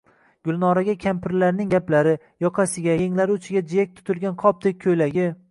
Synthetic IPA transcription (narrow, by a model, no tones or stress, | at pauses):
ɡ̥ʲʊlˠnɒɾaɡʲakʲʰampʰɪɾlaɾnɪŋɡʲaplaɾɪ | jɒqʰɑsɪɡʲajeŋlaɾʊt͡ʃʰɪɡʲad͡ʒijak̚ʲt̪ʰʊ̥t̪ʰɪlˠɡʲanqʰɒp̚d̪ek̚ʲʰːɵjlaɡʲɪ